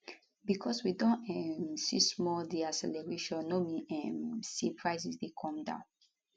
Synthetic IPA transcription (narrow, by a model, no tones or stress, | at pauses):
bikʰɔswidɔ̃nɛ̃sistmɔdiasɛ̰lɛɹeʃɔ̃nːomiɛ̃msipʰɹaɪsisdekʰɔ̃mdã̰ʊ̃n